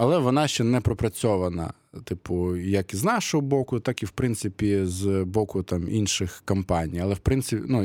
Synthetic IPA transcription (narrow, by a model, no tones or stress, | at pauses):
ɐlˠɛʋɔnɑʃt͡ʃɛnɛpɾɔpɾɐt͡sʲɔʋɐnɐ̰ | t̪ɪpʊjɐkiznɑʃɔɦɔbɔkʊt̪ɑkiwpɾɪnt̪sɪpʲizbɔkʊt̪ɑmḭnʃɪxkɐmpɑnʲijɐlˠɛwpɾɪntsɪpʲnu